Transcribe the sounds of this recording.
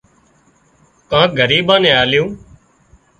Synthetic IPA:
kãːɡʱəɾiːɓãːnẽːaːljõː

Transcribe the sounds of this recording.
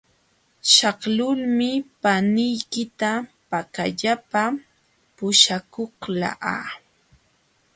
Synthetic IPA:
ʃɑχlʊlmɪpanɪjkɪt̪apakaʎapa | pʊʃakoχla̰ʔa̰

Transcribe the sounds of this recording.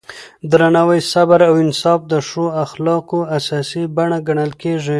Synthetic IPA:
d̪ɾanawəjsabaɾawɪnsɑfd̪əʂoaxlɑkoasɑsibaɳaɡaɳəlkeʐi

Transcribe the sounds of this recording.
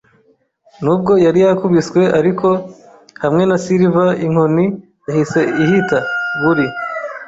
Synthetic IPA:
nub̚ɡo̞jaɾijakuβiswe̞ʔaɾikʰo̞ | hamŋe̞nasiɾivaiŋ̥oni | jahise̞ihitaβuɾi

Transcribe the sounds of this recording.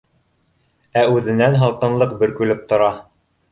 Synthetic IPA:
æʉðɘ̆nænɦɑlˠqɤ̆nlˠɤq̚bɘ̆ɾkʉlɘp̚t̪ŏɾɑ

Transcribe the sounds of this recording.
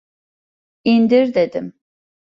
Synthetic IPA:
ind̪iɾd̪ed̪im

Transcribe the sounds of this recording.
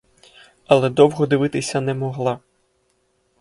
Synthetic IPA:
ɐlˠɛd̪ɔwɦɔd̪ɪʋɪt̪ɪsʲɐnɛmɔɦlˠɑ

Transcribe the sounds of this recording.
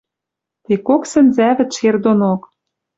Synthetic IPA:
t̪ekoksɘ̆nzæβɘ̆t̪ʃerd̪onok

